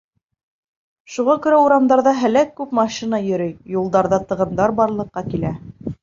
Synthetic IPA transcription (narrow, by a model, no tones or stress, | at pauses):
ʃuʁɑkɵ̆ɾæuɾɑmd̪ɑɾðɑɦæ̆lækːʉpmɑʃinɑjɵ̆ɾɘjjulˠd̪ɑɾðɑt̪ɤ̆ʁɤ̆md̪ɑɾbɑɾlˠɤ̆qːɑkilæ